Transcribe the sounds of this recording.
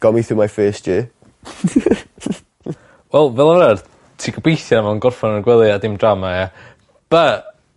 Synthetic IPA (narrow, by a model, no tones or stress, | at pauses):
ɡ̥ɔmiθuːmajfɜːstjɪː | wɛlˠvɛlˠavɾar | tʰiːɡəbejθjamanɡɔrfɔnənɡwɛlˠɨadɪmdramaa | b̥a